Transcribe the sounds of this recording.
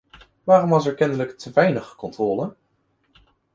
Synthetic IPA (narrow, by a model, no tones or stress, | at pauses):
ʋaːrɔmʋɑs̬ɛɹkɛndələktʰəʋɛjnəχəkɔntrɔːlə